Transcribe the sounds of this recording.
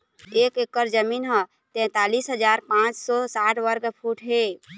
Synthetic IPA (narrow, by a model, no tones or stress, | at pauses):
eːkekːəɾd͡ʒəminɦə̃ | t̪ɛ̃t̪alisɦəd͡ʒaːɾpãt͡ʃsɔsaʈʰʋəɾɡpʰuʈɦe